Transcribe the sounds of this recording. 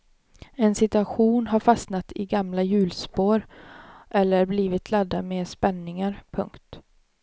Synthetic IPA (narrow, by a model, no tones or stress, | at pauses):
ɛnsɪt̪ɵaɧuːnɦaɾfasnat̪ʰɪɡamlajʉ̟ːlspoːɾʔɛlːəɾbliːvɪt̪ʰlɛd̪ːameːspɛnːɪŋaɾpʰɵ̰ŋkt̪